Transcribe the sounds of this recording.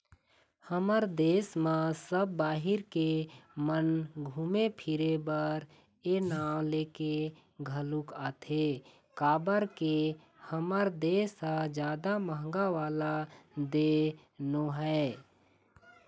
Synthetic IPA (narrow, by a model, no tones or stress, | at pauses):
həməɾd̪eːsmãsəbːaːɦɪɾkemənɡʱuːmepʰɪɾebəɾ | enaːwleːke | ɡʱəlukaːt̪ʰe | kaːbəɾke | həməɾd̪eːsad͡ʒjaːd̪aməɦə̃ŋ̆ɡaʋaːlad̪eː | noɦɛː